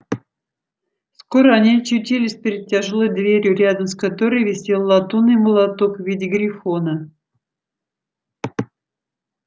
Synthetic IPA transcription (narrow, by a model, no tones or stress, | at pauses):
skoɾəanʲiɐt͡ɕʊtʲilʲɪsʲpʲɪɾʲɪt̪̚tʲaʐolˠojd̪vʲeɾʲjʊɾʲad̪əmskat̪oɾɨjvʲɪsʲilˠlːˠat̪unɨjməlˠat̪okvʲidʲɪɡɾʲɪfonə